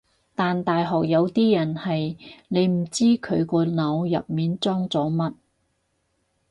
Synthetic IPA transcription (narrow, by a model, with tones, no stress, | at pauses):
t̪aː˨nt̪aː˨jɦɔː˨k̚jɐ˨˧wt̪iː˥jɐ˨˩nhɐ˨jne˨˧jm̩˨˩t͡siː˥kʰɵ˨˧ɥkɔː˧nɐ˨˧wjɐ̰˨p̚miː˨nt͡sɔː˥ŋt͡sɔː˨˥mɐ˥t̚